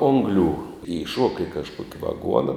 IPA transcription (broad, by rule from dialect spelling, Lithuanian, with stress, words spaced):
ˈoːŋɡlʲuː iːˈʃuɔkɐ ɪ kɐʃˈkuɔkʲ ʋɐˈɡuɔnɐ